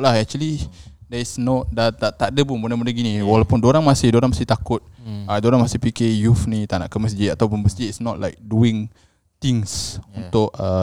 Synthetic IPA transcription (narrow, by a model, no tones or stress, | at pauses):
ʔlahɛk̚t͡ʃuəlidɛisnɔt̪̚dat̪at̪adəpʊnbunaməndəɡiniwalawpʊndoɾaŋmasɪhdoɾaŋmasɪht̪akʊt̪̚adoɾaŋmasɪhpikɪjufnit̪ana̰ʔkəməs̬d͡ʒiat̪awpunməsd͡ʒiisnɔʔ̚la̰jk̚duɪŋ | t̪iŋsunt̪ʊkə